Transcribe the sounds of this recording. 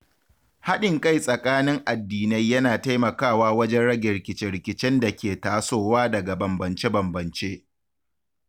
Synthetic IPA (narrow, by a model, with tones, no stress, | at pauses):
ha˦ɗɪ˨ŋka˦˨jsʼɐ˨kʼaː˦nɪ˦ŋʔa˨dːiː˨na˦jːɐ˦naː˨ta˦jmɐ˨kaː˦˨waː˦wɐ˦d͡ʒɛ˦nɽɐ˦ɡʲe˨ɾɪ˨kʲɪ˨˦t͡ʃɛ˦ɾɪ˨kʲɪ˨t͡ʃɛ˦nda˨kʲeː˨taː˨soː˦waː˦dɐ˨ɡa˨bɐ˨mbɐ˨nt͡ʃe˦bɐ˨mbɐ˨nt͡ʃeː˦ʔ